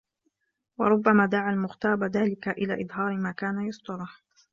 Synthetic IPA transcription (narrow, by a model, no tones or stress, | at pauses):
wɑ̰ɾˤʊbːamaːd̪aʕalmʊxt̪ɑːbaðaːlɪkaʔɪla̰ːʔɨd̪ˤɦɑːɾɪmaːkaːnajɑsˤt̪ˤɑlɪħ